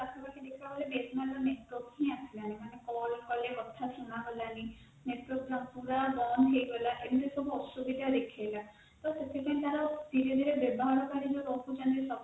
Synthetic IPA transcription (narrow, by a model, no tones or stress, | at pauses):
asʰɔpakʰid̪ekʰabɔlebesmalɔneʈwɔkĩasʰilanimanekɔlkɔlebɔt̪ʰːasunaɡɔlani | neʈwɔɾk̚d͡ʒɔŋpuɾabɔnɦejɡɔlaʔenit̪esubʱuɔsubid̪ʱad̪ekʰajla | t̪ɔset̪ʰepaĩt̪aɾat̪ilid̪ʱiɾebɔbʱɔɦɔɾɔkaɾid͡ʒɔɾɔput͡ʃand̪isɔb